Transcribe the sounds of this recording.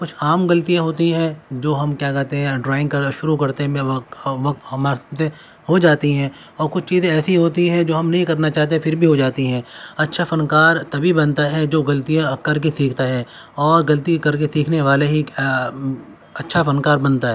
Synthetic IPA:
kʊt͡ʃʰaːmɡɐlt̪ijãɦoːt̪iɦɛ̃d͡ʒoːɦɐmkjaːkɐɦt̪eɦɛ̃ɖɾaːɪ̃ŋɡkɐɾʃʊɾukɐɾt̪ẽmẽʋɐk̚t̪ɦɐmase | hod͡ʒaːt̪iɦɛ̃ | ɔːɾkʊt͡ʃʰt͡ʃiːzẽɛːsiɦoːt̪iɦɛ̃d͡ʒoːɦɐmnɐɦĩkɐɾnat͡ʃaːɦt̪̬ẽfʰɪɾbʱiɦod͡ʒaːt̪iɦɛ̃ːɐtːʃʰafɐnkaːɾt̪ɐbʱibɐ̃nt̪aɦɛd͡ʒoːɡɐlt̪ijãkɐɾk̬esiːkʰt̪aɦɛː | ɔːɾɡɐlt̪ikɐɾkesiːkʰneʋaːleɦi | ɐtːʃʰafɐnkaːɾbɐ̃nt̪aɦɛː

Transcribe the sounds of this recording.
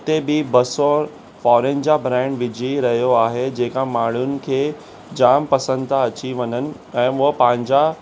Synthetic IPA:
t̪ebɪbɐsɔ | fɔːɾend͡ʑabɾɛ̃ːɳɖʋɪd͡ʑʱiɾɐɦijoaːɦed͡ʑeːkamaːɽ̤ʊnɪ̆kʰeː | d͡ʑaːmpɐsə̃nd̪t̪ʰaɐt͡ɕiʋɐɲənɪ̆ | ɛ̃ːʋʊɦpɐ̃ɦɪ̃ɲd͡ʑa

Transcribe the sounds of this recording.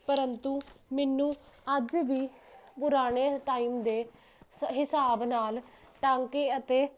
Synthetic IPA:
pəɾənt̪uːmɛnːũːəd͡ʒʋiːpʊɾaːɽ̃eːʈaːiːmd̪eː | ɦɪsaːbnaːl | ʈaːŋkeət̪eː

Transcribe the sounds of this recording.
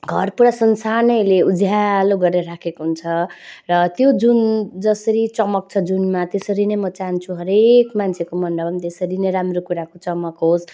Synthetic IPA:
ɡʱʌrpuɾasʌnsanʌjleud͡zʱjaloɡʌrnʌɾakʰekoɦunt͡sʰʌrʌt̪jod͡zund͡zʌsʌɾit͡sʌmʌk̚t͡sʰʌd͡zunmat̪esʌɾinʌjmʌt͡saɦnt͡sʰuɦʌɾekmant͡sʰekomʌnɖʌbʌmt̪esʌɾinʌjɾamrokuɾakot͡sʌmʌkɦos

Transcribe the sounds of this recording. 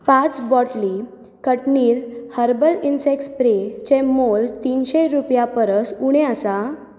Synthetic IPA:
pãt͡sbɔʈli | kəʈniːlhəɾbəlinsekspɾet͡ɕemolt̪iːnɕeɾupjapəɾəsuɽ̃ẽəsa

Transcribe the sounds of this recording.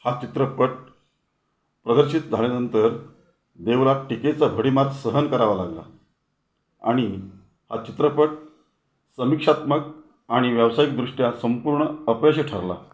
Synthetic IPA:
hat͡ɕit̪ɾəpəʈ̚ | pɾəd̪əɾɕit̪̚d͡zʱaɭjanənt̪əɾ | d̪eʋlaʈiket͡sabʱəɽimat̪səɦənkəɾaʋalaɡla̰ | a̰ɽ̃i | hat͡ɕit̪ɾəpəʈ̚ | səmikʂat̪mək̚ | aɽ̃iʋjəʋsajik̚d̪ɾuʂʈjasəmpuɾɳəəpjəɕəʈʰaɾla̰

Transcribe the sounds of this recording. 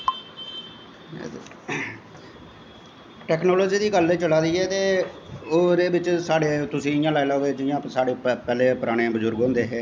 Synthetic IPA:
ʈɛːknɔːloːd͡ʒiːd̪iːɡəlːeːt͡ʃəlaːd̪iːɛːt̪eːoːɾeːbɪt͡ʃsaːɽeːt̪ʊsĩːɪjãːlaːilaːʋeːd͡ʒɪjãːsaːɽeːpɛːleːpʊɾaːɽ̃eːbəzʊɾɡɦõːnd̪eːɦɛː

